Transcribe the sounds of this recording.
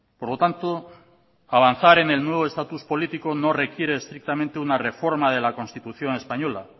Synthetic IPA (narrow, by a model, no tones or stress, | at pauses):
poɾlo̞t̪ant̪o | aβ̞anθaɾe̞ne̞lnwe̞βoe̞st̪at̪uspo̞lit̪iko̞no̞re̞kjeɾe̞ːst̪ɾik̚t̪amẽnt̪eunare̞fo̞ɾmað̞e̞lakonst̪it̪uθjo̞ne̞spaɲo̞la